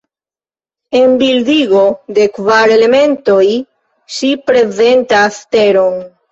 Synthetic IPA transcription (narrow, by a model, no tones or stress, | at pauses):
e̞mbildiɡo̞de̞kvaɾe̞le̞me̞nto̞j | ʃipɾe̞ze̞ntaste̞ɾo̞n